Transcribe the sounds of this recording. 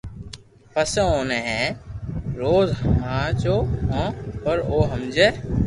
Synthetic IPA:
pəseoːneɦɛ̃ː | ɾoːzãːt͡ʃoːɦõːəɾoːɦəmd͡ʒe

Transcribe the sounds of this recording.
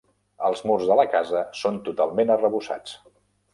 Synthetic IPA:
əlˠzmurzðələkazəsont̪ut̪alˠmenərəβusa̰t͡s

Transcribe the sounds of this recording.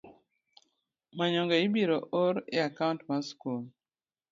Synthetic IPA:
maɲɔŋɡɛɪbiɾoʔoɾɪ̰akaʊntmaskul

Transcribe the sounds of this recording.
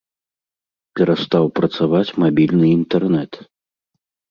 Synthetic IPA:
pʲɛɾast̪awpɾɐt̪savat͡sʲmabʲilʲnɨint̪ɛrnɛt̪

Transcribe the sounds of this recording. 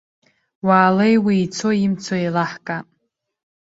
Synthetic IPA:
waːlejwiːt͡sʰo̞imt͡sʰoilaħkʼa

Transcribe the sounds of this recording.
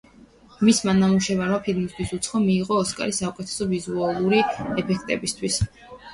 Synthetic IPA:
mismanːamuʃɛvaɾɔmpʰilˠmist̪ʰwisut̪sʰχɔmiːʁɔːskʼa̰ɾisaukʼɛt̪ʰɛ̥sɔvizualˠuɾiɛpʰɛkʰt̪ʼɛbist̪ʰwis

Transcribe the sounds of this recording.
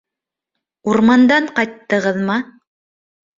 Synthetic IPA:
uɾmɑnd̪ɑɴqɑjt̪ːɤ̆ʁɤðmɑ

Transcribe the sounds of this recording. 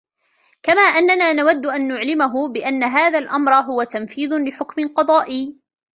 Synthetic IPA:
kamaːʔanːanaːnawad̪ːʊʔanːʊʕlɪmaɦʊbɪʔanːaɦaːðalʔamɾˤɑɦʊwat̪amfiːðʊlɪħʊkmɪqɑd̪ˤɑːʔɪjː

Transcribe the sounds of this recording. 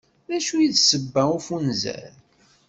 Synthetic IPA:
ðæʃujiðsəbːæufunzæ̰ɾ

